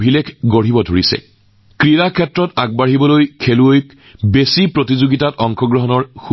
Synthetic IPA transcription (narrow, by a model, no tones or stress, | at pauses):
bʱilekʰɡoɹ̤ibɔdʱoɹisɛ̰ | kɹiɹakʰɛtɹɔtaɡ̚baɦibɔlojkʰeluojk | besipɹotizoɡitatɔŋkʰɔɡɹɔɦɔnɔɹx